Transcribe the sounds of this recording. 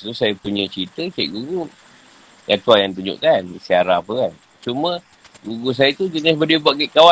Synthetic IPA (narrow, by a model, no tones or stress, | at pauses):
t̪usajapuɲə̃t͡ʃit̪əkɛ̰ʔɡuɡu | jat̪uajaŋt̪uɲʊ̰ʔkansiaɾaːpəkan | t͡ʃumə̃ | ɡuɡus̬ajat̪ud͡ʒənabədibaʔkɛʔkawa